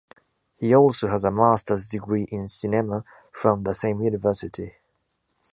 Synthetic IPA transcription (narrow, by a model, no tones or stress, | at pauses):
hiɔˑlˠsoʊəzəmaˑstəzdɪɡɹiʔɪ̃nsɪnɛmə | fɹə̃mðəsẽɪ̃mjʉnɪvɜˑsɪtʰi